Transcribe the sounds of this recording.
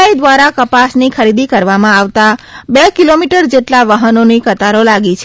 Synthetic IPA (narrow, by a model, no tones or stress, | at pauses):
aid̪ʋaɾakəpasnikʰəɾid̪ikəɾʋamãaʋt̪abekilomiʈəɾd͡ʒeʈlaʋəɦənonikət̪aɾolaɡit͡ʃʰ